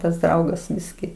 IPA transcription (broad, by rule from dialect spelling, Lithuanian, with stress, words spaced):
tɐs ˈdrɐʊɡɐs ˈbʲɪsʲkʲɪ